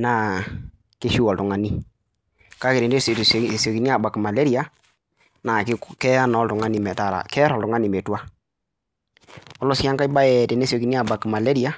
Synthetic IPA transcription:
na˨ | ke˦ʃu˦ɔ˨ltʊ˨ŋa˨ni˦ | ka˦ke˨ɾe˨de˦ssso˨ki˨ni˦a˨ba˨kma˨le˦ɾi˨a˦ | na˨kɪ˦kɛ˦a˦nɔ˨˦ltʊ˨ŋa˦ni˨mɛ˨ta˨ɾa̰˨kɛ˦ɾɔ˨ltʊ˨ŋa˦ni˨me˨twa˦ | ɔ˦lɔ˦sja˦ŋka˦i˦ba˦ɛ˨te˨ne˦so˨ki˨ni˦a˨ba˨kma˨le˦ɾi˨a˨˦

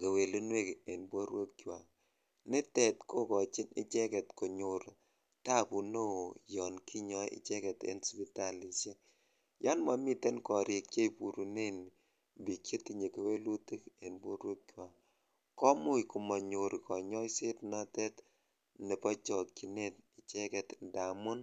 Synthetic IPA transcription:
ke˨we˨lu˦nwe˦ke˨nbwo˦ɾwe˦k̚t͡ʃwa˨ | nɪ˦tɛ˨tko˦kɔ˨t͡ʃɪ˦nɪ̰˦t͡ʃɛ˦kɛ˨tko˨ɲo˨ɾ | ta˦˨pu˨no˦˨jɔ˨nki˦ɲɔ˦ɪ̰˦t͡ʃɛ˦kɛ˨tḛ˦nspi˦ta˨li˨t͡ʃe˦k̚ | ja˦nma˨mi˦tɛ˦nkɔ˨ɾɪ˨k̚t͡ʃe˦i˨pu˨ɾu˨ne˦n | bi˨kʲje˦ti˨ɲe˨ke˨we˦lu˦ti˦ke˨nbo˦ɾwo˦kʲwa˨ | kɔ˦mʊ˦jku˨mɔ˨ɲo˨ɾkɔ˨ɲɔ˦jse˦tnɔ˦tɛ˦t | ne˨pɔ˦t͡ʃɔ˨ki˨ne˦t̚ɪ˨t͡ʃɛ˦kɛ˨tda˨mʊ˦n

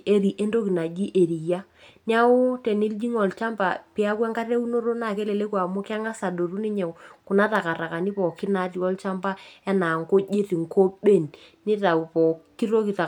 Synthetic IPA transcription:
e˦ɾi˨ʔe˦ndo˦ki˨na˨d͡ʒi˦ʔe˨ɾi˨ja˦ | n˦a˦o˦tɛ˨ni˦ld͡ʒi˦ŋɔ˨lt͡ʃa˦mba̰˨pi˦a˦kwɛ˦ŋka˦ɾe˦u˦no˦ɾo˦na˨ke˦le˨le˦kwa˨mo˦ka˦ŋa˦sa˨do˨ɾu˦ni˦ɲɛ˨ku˨na˦ta˨ka˨ɾa˨ka˨ni˦pɔ˨ki˦na˨˦ti˨ɔ˦lt͡ʃa˦mba˦ɛ˦na˨ŋko˦d͡ʒe˦ti˨ŋko˦ɓe˦˨n | ni˦ta˨u˨pɔ˨ki˦ɾo˦ki˨ta˨

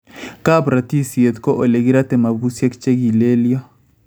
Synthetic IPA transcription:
ka˦bɾa˨ti˦si˨e˨t̪kɔ˦ʔo˨le˨ɣi˦ɾa˦tɛ˨ma˨βu˦sja˦kt͡ʃe˦ɡi˨le˦lja˦

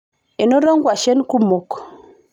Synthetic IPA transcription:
e˨no˦ɾo˦ŋɡwa˨ʃe˦nku˦mo˨k

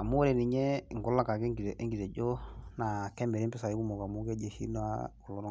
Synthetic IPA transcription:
a˨mu˦e˦ɾe˨ni˨ɲe˦˨ŋɡɔ˦lːa˦ka˨ke˦ŋ˨ʔe˦ŋɡi˨ɾe˨d͡ʒo˦na˨kɛ˦mɛ˨ɾi˦mpɪ˦sa˨jku˦mo˨ka˨mu˦ke˦d͡ʒe˨ʃḭ˦n˦a̰˦ku˨lo˨n˦

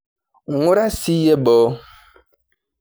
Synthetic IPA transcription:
u˦ɾa˦si˦jɛ˦bɔː˨˦

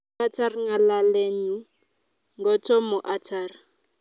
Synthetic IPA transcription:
a˦tʰa˦rŋa˨la˦le˦ɲu˦ | ŋɡɔ˦tʰɔ˦mʊ˨ʔa˨tʰaː˨ri˨

